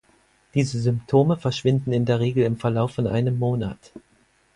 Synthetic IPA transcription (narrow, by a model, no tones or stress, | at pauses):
d̥iːzəzʏmptʰoːməfɛɐʃv̥ɪndn̩ɪndeːɐʁ̞eːɡl̩ɪmfɛɐlaʊfɔnʔa̰ɪnəmːoːna̰t